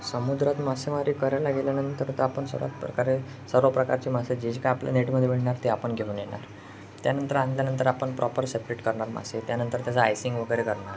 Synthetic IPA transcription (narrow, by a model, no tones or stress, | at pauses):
səmud̪ɾat̪maseʋaɾiːkəɾajlaɡeljanənt̪əɾt̪eapəɳsə̰ɾʋa̰t̪pɾə̰kaɾe | səɾʋəpɾəkaɾt͡ɕimased͡ʑed͡ʑekajaplja̰neʈməd̪ʱːeʋeɭɳaɾt̪eapəɳɡʱeuːnjena̰ɾ | t̪janənt̪əɾand̪ljanənt̪əɾapəɳpɾɔpəɾsepɾeʈkəɾɳaɾma̰set̪janənt̪əɾt̪jat͡saːjsiŋɡʋəɡəjɾekəɾɳaɾ